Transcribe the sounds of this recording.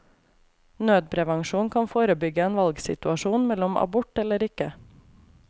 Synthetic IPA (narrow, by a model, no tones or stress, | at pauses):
nøːd̪̚pʰɾɛʋɑŋʃuːnkʰɑnfoːɾəbʏɡəeːnʋɑlɡsɪ̰t̪ʉɑʃuːnmɛlɔmʔɑ̰bʊʈɛləɾɪkə